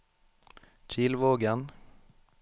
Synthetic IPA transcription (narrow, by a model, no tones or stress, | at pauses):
c͡çiːlʋoːɡən